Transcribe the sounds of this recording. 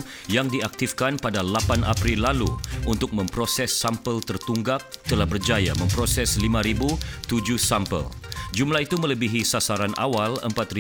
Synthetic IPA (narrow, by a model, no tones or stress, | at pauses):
jaŋdiak̚t̪ifkanpadalapanʔa̰pɾilːaluunt̪ʊk̚mə̃mpɾosɛsːampəlt̪ərt̪uŋɡak̚t̪əlahbərd͡ʒaja̰mə̃mpɾosɛslimãɾibut̪ud͡ʒusampə̰ld͡ʒumlaɦit̪umə̃ləbiɦisasaɾana̰walə̰mpat̪ri